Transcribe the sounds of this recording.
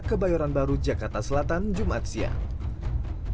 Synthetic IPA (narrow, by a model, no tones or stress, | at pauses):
kəbajɔɾanbaɾud͡ʒakart̪asəlat̪and͡ʒumat̪̚sia̰